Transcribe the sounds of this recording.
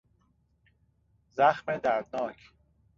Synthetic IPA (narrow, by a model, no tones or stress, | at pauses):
zæxmed̪æɾd̪̚nɒːcʰ